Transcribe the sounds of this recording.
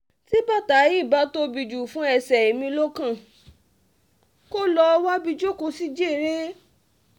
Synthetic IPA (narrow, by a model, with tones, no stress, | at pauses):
ti˦ba˦˨ta˨˦ji˦˨ba˨˦to˦bi˧d͡ʒu˨fũ˦ɛ˧˨sɛ˨e˨mĩ˧lo˦kã˦˨ | ko˦lɔ˧wa˦bi˧d͡ʒo˦ko˧si˦d͡ʒe˦˨ɾe˦